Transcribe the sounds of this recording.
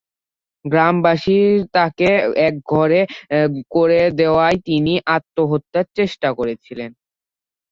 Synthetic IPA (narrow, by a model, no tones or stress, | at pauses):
ɡɾambaʃiɾt̪akeɛk̚ɡʱɔɾekoɾed̪eoajt̪iniʔat̪ːoɦot̪ːaɾt͡ɕeʃʈakoɾet͡ɕʰilen